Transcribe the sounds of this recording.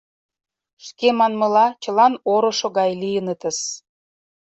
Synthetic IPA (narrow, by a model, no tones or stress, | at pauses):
ʃkemɑnmɤ̆lɑt͡ɕə̆lɑnoɾŏʃoɣɑjlijənət̪ə̆s